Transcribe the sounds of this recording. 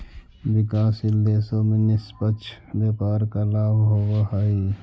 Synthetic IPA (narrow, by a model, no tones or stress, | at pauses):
wɪkaːsɪlːeːsomɪ̃nɪspət͡ʃʰbaːpaːɾkalaːbɦoːwaɦaːi